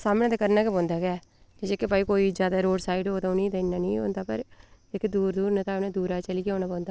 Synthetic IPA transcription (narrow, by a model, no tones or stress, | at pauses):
saːmẽːd̪eːkəɾnaːkebõːnd̪aːɡɛː | d͡ʒeːd͡ʒekepaːiːkoːiːd͡ʒjaːd̪aːɾoːɖsaːiɖɦoːt̪aːʊnĩːt̪ãɪnːãːnĩːo̰ːnd̪aːpə̰ɾd͡ʒeked̪uːɾd̪uːɾnat̪aːʊnẽːd̪uːɾaːt͡ʃəliːkeoːnãːbõːnd̪aː